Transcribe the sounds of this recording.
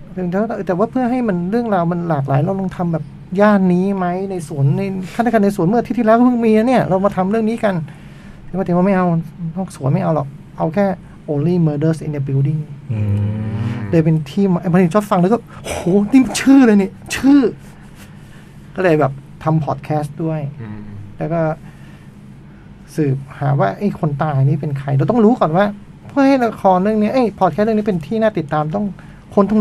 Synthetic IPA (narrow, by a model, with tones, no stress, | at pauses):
t̪ʰɯ˨˩˦ŋt̪ʰːt̪ɛː˨˩waː˥˩pʰɯ˥˩əɦa˥˩jma˧nɾɯ˥˩əŋɾaː˧wma˧nlaː˨˩k̬̚laː˩˦jɾa˧wlo˧ŋt̪ʰa˧mbɛː˨˩p̚ | jaː˥˩nːiː˦˥ma˦˥jna˧jsu˨˩˦ənːa˧jt̪ʰa˥˩t̪ʰa˥˧ka˧nːa˧su˨˩˦ənmɯ˥˩ɐiː˥˩iː˥˧lɛː˦˥kːpʰɯ˥˩ŋmiː˧la˧ni˥˩ɐɾa˧wmaː˧t̪ʰa˧mɾɯ˥˩əŋniː˦˥ka˧nʰː˨˦ | aː˧˩˨aː˧˩ma˥˩jʔa˧wnɔː˥˩k̚su˨˦ənma˥˩ʔa˧wlɔ˨˩k̚ | ʔa˧wkʰɛː˥˩ | ʔoː˧liː˥˩məː˧dəː˦˥˩sʔḭ˧nt̪ːbi˧wdi˥˩ŋ | lːjp̬e˧nt̪ʰiː˥˩maʔa˧˩mɔ˧ni˧˩t͡ɕʰɔ˦˥t̚fa˧ŋla˧˥kɔː˥˩ʔohoː˨˦nʰiː˥˩m˧˩t͡ɕʰɯː˥˩lɤː˧jni˧˥˩ət͡ɕʰɯː˥˩ | kɔː˥˩lɤː˧jbɛː˨˩p̚t̪ʰa˧mpʰɔ˨˩t̪̚kʰɛː˦˥st̪̚du˥˩əjlɛː˦˥wkɔː˥˩ | sɯː˨˩p̚haː˩˦waː˥˩ʔa˦˥˩jkʰo˧nt̪aː˧a˧niː˦˥˩pe˧nkʰɾa˧jdɛ˧wt̪ɔ˥˩ŋɾuː˦˥kɔː˨˩nwaː˥˩ | pʰɯ˥˩əha˥˩jla˦˥˩kʰɔː˧nlːɯ˥˩˨ŋni˦˥ɐʔa˦˥˩jpʰɔ˨˩k̪̚ʰːn˥˨ni˦˥pe˧nt̪ʰiː˥˩˧naː˥˩t̪i˨˩t̪ːaː˧mt̪ɔ˥˩ŋ | kʰo˧nt̪ɔ˥˩